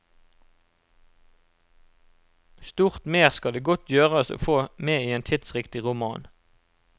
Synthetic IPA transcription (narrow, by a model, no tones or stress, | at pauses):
st̪uːʁt̪meːʁskɑd̪eːɡɔt̪ʰjøːʁəso̰ːfoːmeːiːeːnt̪ʰɪt̪sʁɪkt̪ɪʁʊmɑːn